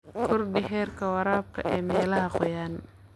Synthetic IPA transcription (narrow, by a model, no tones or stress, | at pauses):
kʰɔrɖɪɦɛːrkʰɐwɑɾaːb̚kʰɐ̰ʔɛːmɛːlɐɦɐqɔjaːn